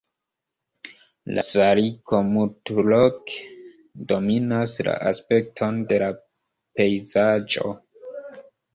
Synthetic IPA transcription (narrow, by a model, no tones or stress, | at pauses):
la̰saɾikʰo̞mutuloke̥ | do̞minasla̰ʔaspe̞k̚tʰo̞nde̞la | pe̞jzad͡ʒo̞̰